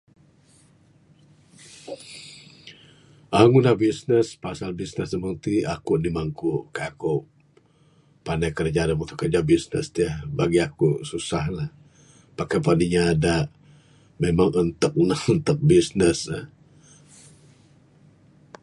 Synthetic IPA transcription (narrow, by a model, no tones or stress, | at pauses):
ʔaŋunahbisnəspasalbisnəsdəməŋt̪iakuʔnimaŋkukaakuʔ | panajkərd͡ʒanəmut̪ʊkərd͡ʒabisnə̰st̪iəhbaɡiakususahlah | pakapaniɲaːdaʔ | memaŋənt̪ək̚nahənt̪ək̚bisnəsəh